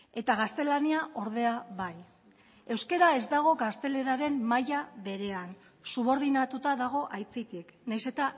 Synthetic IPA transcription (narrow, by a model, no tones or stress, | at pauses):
e̞t̪aɣ̞ast̪e̞laniaʔo̞ɾð̞e̞aβaj | e̞wske̞ɾae̞zd̪aɣ̞o̞ɣast̪e̞le̞ɾaɾe̞mmajaβe̞ɾe̞an | suβo̞ɾðinat̪ut̪aðaɣ̞o̞ʔajt͡sit̪iknajse̞t̪a